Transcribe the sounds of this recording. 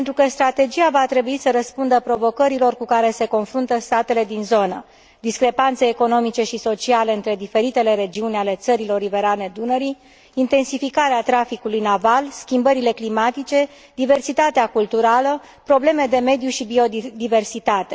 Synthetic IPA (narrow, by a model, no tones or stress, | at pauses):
ent̪ɾukəst̪ɾat̪e̞d͡ʒiavat̪ɾe̞buisəɾəspund̪əpɾo̞vo̞kəɾilo̞rkukaɾe̞se̞ko̞nfɾunt̪əst̪at̪e̞le̞d̪inzo̞nə | d̪iskɾe̞pant̪se̞ːko̞no̞mit͡ʃe̞ʃiso̞t͡ʃialeɨnt̪ɾe̞d̪ife̞ɾit̪e̞le̞ɾe̞d͡ʒiunʲale̞t̪səɾilo̞rive̞ɾane̞d̪unəɾiː | nt̪e̞nsifikaɾeat̪ɾafikulujnavalskʲimbəɾile̞klimat̪it͡ʃe̞ | d̪ive̞rsit̪at̪eakult̪uɾalə | pɾo̞ble̞me̞d̪e̞me̞d̪juʃibio̞d̪ive̞rsit̪at̪e̞